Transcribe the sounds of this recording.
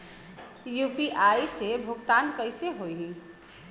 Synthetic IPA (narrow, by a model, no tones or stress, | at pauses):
jupiʔaisebʱʊɡt̪ankəɪseɦojɦĩ